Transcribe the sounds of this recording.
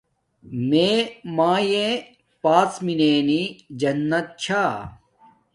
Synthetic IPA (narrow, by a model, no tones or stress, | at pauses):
meːmaːjẽ | paːsmineːnid͡ʑɐnːɐt̪̚t͡ɕʰaː